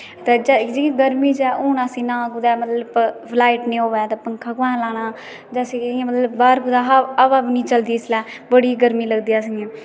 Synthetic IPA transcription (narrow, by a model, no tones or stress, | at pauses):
t̪eːd͡ʒd͡ʒɪ̃ːɡəɾmĩːd͡ʒɛːʔuːnãːsiːnãːkʊd̪ɛːmət̪ləbpʰlaːɪʈnĩːoːʋɛːt̪aːpəŋkʰaːkʋãːnːlaːɽ̃aː | d͡ʒaːsĩːmət̪ləbbaːɾkʊd̪aːɦabaːbinĩːt͡ʃəld̪iːslɛːbəɽiːɡəɾmiːləɡd̪ijaːsiãː